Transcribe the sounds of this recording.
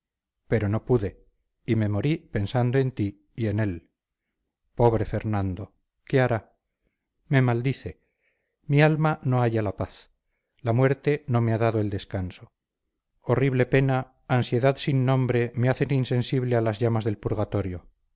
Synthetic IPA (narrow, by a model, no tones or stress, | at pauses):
pe̞ɾo̞no̞puðe̞ | ime̞mo̞ɾipe̞nsand̪oe̞nt̪i | ie̞ne̞l | po̞βɾe̞fe̞ɾnãnd̪o̞ | ke̞aɾa | me̞mald̪iθe̞ | mialmano̞aʝalapaθ | lamwe̞ɾt̪e̞no̞meaðaðoe̞ld̪e̞skanso̞ | oriβ̞le̞pe̞naː | nsje̞ðaðsinːõ̞mbɾe̞me̞aθe̞ninse̞nsiβlealazʝamazðe̞lpuɾɣat̪o̞ɾjo̞